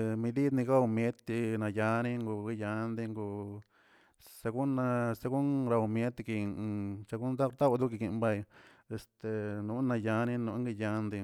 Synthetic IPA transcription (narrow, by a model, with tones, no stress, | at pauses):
mĩ˧d̪i˦t̪nĩ˧ka˦u˧mje˦t̪i˧nã˧ja˧nĩ˦ŋɡu˧ki˦˧ja˧˦nd̪i˧ŋɡu˧ | sa˧ku˦nã˧sa˧ku˦nɾa˧u˧mje˦t̪i˧kĩ˧t͡ʃa˧ku˦nd̪a˦˧t̪a˦˧d̪u˦ki˧ki˧˨˧mba˧je˧st̪e˧nũ˧˦nã˧ja˧nĩ˦nũ˧˦ŋɡi˧ja˧nd̪i˧